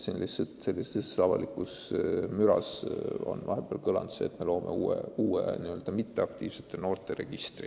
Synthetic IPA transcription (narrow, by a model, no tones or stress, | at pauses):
selːʔiset̪se̞lːisesɑvɑ̰likːusmyɾɑso̞̰nvɑɦeb̥eːlkɤlɑ̰nd̪seːt̪melo̞ːmʔe̞uːḛuːḛniøld̪ɑmit̪ːe̞ɑk̚t̪iːv̥se̞̥t̪ˑːeno̞ːrt̪ˑe̞ɾe̞ɡ̥ist̪ri